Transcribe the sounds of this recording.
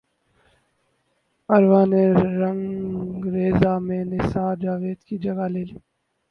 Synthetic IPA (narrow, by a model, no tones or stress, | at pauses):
əɾʋãːnẽːɾəŋ | ɾeːzaːmẽːnesaːd͡ʒaːʋeːd̪kiːd͡ʒəɡaːleːliː